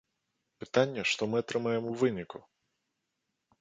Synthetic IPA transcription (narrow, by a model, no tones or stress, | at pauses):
pɨt̪anʲːɐʂt̪ɔmɨat̪ɾɨmajɛmuvɨnʲiku